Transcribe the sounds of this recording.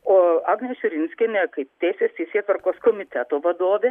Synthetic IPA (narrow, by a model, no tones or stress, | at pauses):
oːɑːɡnʲeʃʲʊɾʲɪnʲsʲkʲenʲekɐɪt̪ʲɛːsʲest̪ɛɪsʲeːt̪ʋɐɾkoːskomʲɪt̪ʲɛt̪oːʋɐd̪oːʋʲeː